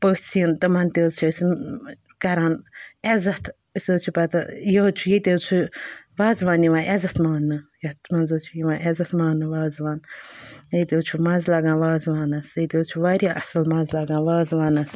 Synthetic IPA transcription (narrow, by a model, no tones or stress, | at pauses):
pəːt͡sʰiənt̪ɐmɐnt̪eːzt͡ʃʰis | kɐɾaːnezɐt̪ʰ | ɨsoːt͡ʃʰupɐt̪ɐjɐt͡ʃʰujet̪ʲewt͡ʃʰuʋaːzʋaːniʋãːʔezɐt̪ʰmaːnːɨjɐt̪mɐnzoːt͡ʃʰujiʋãːʔezɐt̪ʰmaːnɨʋaːzʋaːnjet̪ewt͡ʃʰumɐnzlɐɡãːnʋaːzʋaːnɐsɐt̪et͡ʃʰuʋaːɾʲiʔɐ̰sɨlmɐnzlɐɡãːnʋaːzʋaːnɐs